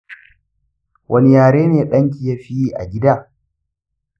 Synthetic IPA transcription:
wʔɐ˦ni˦jaː˨ɽeː˦neː˨ɗɐ˦ŋk̬ʲi˨jaː˦ɸi˦jiː˦ʔa̰˨ɡʲɪ˦daː˦˨

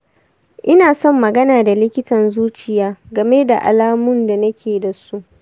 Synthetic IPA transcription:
ʔɪ˦naː˨sɔ˦˨mːɐ˨ɡɐ˦naː˨da˨lɪ˦kʲɪ˦tɐ˨nzuː˦t͡ʃɪ˨jaː˦ɡɐ˨me˦da˨ʔa̰˨laː˦mʊ˦nda˨nɐ˦kʲʰeː˨da˨su˦ʔ

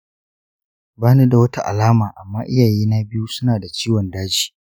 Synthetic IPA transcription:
baː˦ne˦da˨wɐ˦ta˦ʔa̰˨laː˦maː˨ʔa˨mːaː˦ʔɪ˦jaː˨jiː˦na˦bɪ˦ju˦sʊ˦naː˨da˨t͡ʃiː˦wɔ˨ndaː˦d͡ʒiː˨

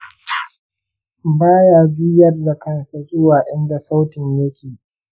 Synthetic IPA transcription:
baː˦jaː˨bɪ˦jɐ˦rda˨kɐ˦nsa˨zʊ˦waː˨ʔɪ˦nda˨sa˦wtɪ˨ɲjɐ˦kʲʰeː˨

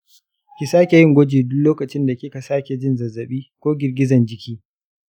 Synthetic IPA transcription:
kʲɪ˨saː˦kʲe˨jɪ˦ŋɡʷɔ˦d͡ʒiː˨dʊ˦lloː˦kɐ˨t͡ʃɪ˦nda˨kʲɪ˦ka˨saː˦kʲe˨d͡ʒɪ˦nzɐ˨zːɐ˨ɓiː˦kʷoː˦ɡʲɪ˨rɡʲɪ˦zɐ˨nd͡ʒɪ˦kʲiː˦

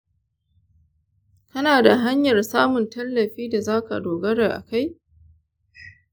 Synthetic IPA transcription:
kɐ˦naː˨da˨ɦa˦ɲjɐ˨rsaː˦mʊ˨ntɐ˦lːɐ˨ɸiː˦da˨zaː˦ka̰˨doː˨ɡɐ˦ɽɾa˨ʔa̰˨ka˦j

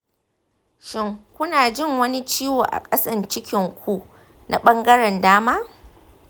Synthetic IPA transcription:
ʃɪ˦ŋkʷʊ˦naː˨d͡ʒɪ˦ŋwɐ˦ni˦t͡ʃiː˦woː˨ʔa̰˨kʼɐ˦sɐ˨nt͡ʃɪ˦kʲɪ˨ŋkʷʰu˦ | nʔa̰˨ɓɐ˦ŋɡɐ˦ɽɛ˨ndaː˦maː˦

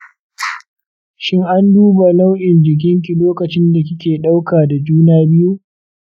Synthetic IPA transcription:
ʃɪ˦ŋʔa˦nduː˦ba˨la˦wʔɪ˨nd͡ʒɪ˨k̬ʲɪ˦ŋk̬ʲi˨loː˦kɐ˨t͡ʃɪ˦nda˨k̬ʲɪ˦kʲeː˨ɗa˦wkaː˨da˨d͡ʒuː˦naː˦bɪ˦ju˦ʔ

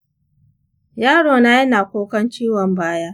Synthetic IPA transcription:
jaː˦ɽoː˨na˦ji˦naː˨kʷoː˦kɐ˦nt͡ʃiː˦wɔ˨mbaː˦ja˦

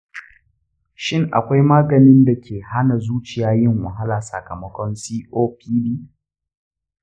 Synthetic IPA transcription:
ʃɪ˦ŋʔa̰˨kʷa˦jmaː˦ɡɐ˨nɪ˦nda˨kʲʰeː˨ha˦na˨zuː˦t͡ʃɪ˨jaː˦jɪ˦˨ŋwɐ˨ɦa˦laː˨sɐ̰˨kɐ˨mɐ˦kʷɔ˦nsiː˦ʔoː˦pʰiː˦biː˦

